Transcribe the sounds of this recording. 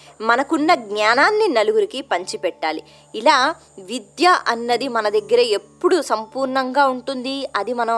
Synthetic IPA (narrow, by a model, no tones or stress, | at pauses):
mɐnɐkunːɐɡɲaːnaːnːinɐluɡuɾikipɐɲt͡ʃipɛʈːaːli | ilaː | ʋid̪jɐʔɐnːɐd̪imɐnɐd̪ɐɡːɐɾɐepːuɽusɐmpuːɾɳɐŋɡaːuɳʈund̪iɐd̪imɐnɐ